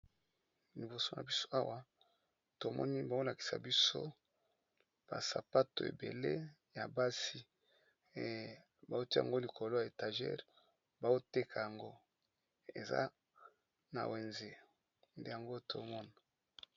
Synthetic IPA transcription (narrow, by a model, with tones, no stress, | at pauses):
li˨bo˨so˦na̰˨bi˦so̥˦a˦wa˦ | to˨mɔ̰˦ni˦ba˨o˦la˨ki̥˨sa̰˨bi˦so̰˦ | b̥a̰˨sa˨pa˦to˨ḛ˨bḛ˨le˦ | ja˨ba˦si˦˨ | ba˨zo˦ti˦˨a̰˨ŋɡo˦li˨kʰo˨lo˦ja˨e˨ta˨ʒɛ̰˦ʁ | ba˨o˦te˦kʰa˨ja˨ŋɡo˦ | ḛ˨za̰˦ | na̰˨we˨nze˨ | nde˦ja˨ŋɡo˦to˨˦mɔ˦na˨